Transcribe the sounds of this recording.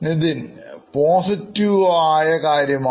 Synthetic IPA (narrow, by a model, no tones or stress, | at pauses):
nid̪in | poːsitːiʋaːjɐkaːɾjɐma